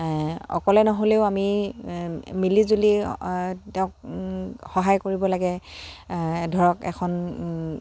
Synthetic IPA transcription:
ɔ̰kɔlɛnɔɦoleʊami | milizoli | tɛʊ̃k | xɔɦajkoɹibɔlaɡɛ | dʱɔɹɔkɛ̰kʰɔn

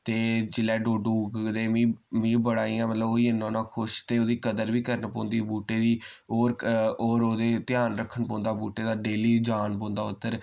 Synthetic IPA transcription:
t̪eːd͡ʒɪlɛːɖoːɖuːɡd̪eːmĩːmĩːbəɽaːĩːãːmət̪ləboːiːɪnːãːnãːkʰʊʃt̪eːoːd̪iːkəd̪əɾʋiːkəɾnpõːnd̪iːbuːʈeːd̪iː | oːɾoːɾoːd̪eːt̪ɪjaːnɾəkʰːəɳpɔ̃ːnd̪aːbuːʈeːd̪aːɖeːliːd͡ʒaːnpɔõːnd̪aːʊt̪ːəɾ

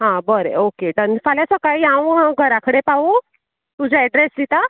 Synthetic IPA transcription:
ɦãbəɾḛokeʈənfaljasəkajãw̃ɦãɡʱəɾakʰəɽepaʋu | t̪ud͡ʑʱaɛɖɾeslit̪a

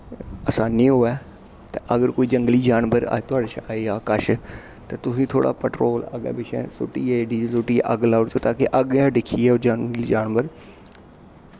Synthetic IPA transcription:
ɐsãːnĩɦoɛː | t̪ɐʔɐɡəɾkoːiːd͡ʒɐ̃ŋɡliːd͡ʒaːnʋəɾa̰t̪ʊaːɽeːʃaaːeaːkəʃ | t̪ɐt̪ʊsĩːt̪ʰoːɽa̰ːpəʈɾoːlɐ̰ɠɛ̰̃ːbɪʃɛ̰̃sʊ̰ʈiːɛɖiːsʊʈiːʔɐɡlaːʊɽt͡ʃʰoːt̪aːkeʔɐɠɛ̃ɖɪkʰiːɛːod͡ʒaŋɡliːd͡ʒaːnʋəɾ

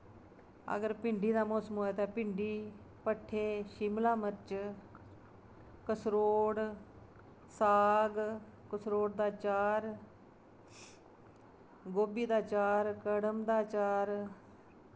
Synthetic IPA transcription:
ə̰ɡəɾpɪɳɖiːd̪aːmɔːsəmɦoːɛːt̪ãːpɪɳɖiː | pəʈʰːeːʃɪmlaːmət͡ʃ | kəsɾoːɽ | saːɡ | kəsɾoːɽd̪aːt͡ʃaːɾ | ɡoːbiːd̪aːt͡ʃaːɾkəɽəmd̪aːt͡ʃaːɾ

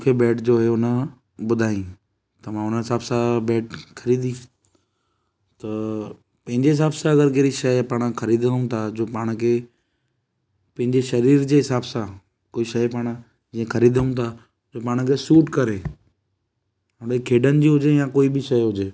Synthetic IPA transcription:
ũkʰebɛːʈd͡ʑoːɦeʊnə | bʊd̪ʱaːĩ | t̪ɐm̤ãʊnəɦɪsaːbsabɛːʈkʰɐɾiːd̪ĩ | t̪ɐ | pɐ̃ɦɪ̃ɲd͡ʑeɦɪs̬aːbsaɐɡəɾk̬eːɾiʃɐjpaːɽ̃əkʰɐɾiːd̪ʱənũt̪ʰad͡ʑoːpaːɽ̃kʰeː | pɐ̃ɦɪ̃ɲd͡ʑeʃɐɾiːɾd͡ʑeːɦɪsaːbsa | koːiʃɐjpaːɽ̃ə | d͡ʑĩːẽkʰɐɾiːd̪əũt̪ʰa | d͡ʑoːpaːɽ̃kʰesuːʈkɐɾeː | ʊɽekʰeːɖənɪ̆d͡ʑiːɦʊd͡ʑejãkoːibɪʃɐjɦʊd͡ʑeː

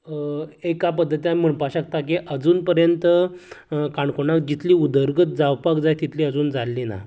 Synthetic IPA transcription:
ekap̬əd̪ʱːət̪jam̤əɳpaɕak̚t̪ak̬iʔəd͡zuːnpəɾjənt̪ə | kaɳkoɳakd͡ʑit̪liːud̪əɾɡət̪d͡zawpakd͡zajt̪it̪ʰliːəd͡zuːnd͡zalːina̰

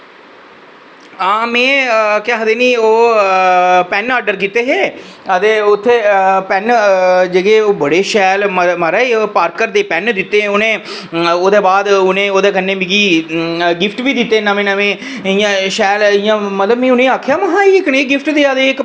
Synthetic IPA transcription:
ãːmẽːkaːɦəd̪eːniːoː | pɛnaːɾɖəɾk̬iːt̪eːɦeːət̪eːʊt̪ʰːeːpɛnd͡ʒeːɡeːoːbəɽeːʃɛːlməməɾɛːopaːɾkəɾd̪eːpɛnd̪ɪt̪ːeːoːnẽː | oːd̪eːbaːd̪ʊnẽːoːd̪eːkənːẽːbɪɡiː | ɡɪpʰʈʋiːd̪ɪt̪ːeːnamẽːnaʋẽː | ɪjãːʃɛːlɪjãːmət̪ləbmẽːʊnẽːaːkʰjaːməɦãːiːɪkneːɡɪfʰʈd̪eːaːd̪eːɪk

